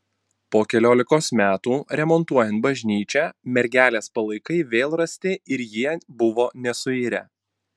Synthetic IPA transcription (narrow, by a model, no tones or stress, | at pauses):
poːkʲɛlʲoːlʲɪkoːsmʲæːt̪uːɾʲɛmɔnt̪uɔjɛnt̪̚bɐʒʲnʲiːt͡ʃʲɛːmʲɛɾʲɡʲæːlʲeːspɐlˠɐɪkɐɪʋʲeːlˠɾɐsʲt̪ʲɪɪɾjiɛbʊʋoːnʲɛsʊiːɾʲɛ̰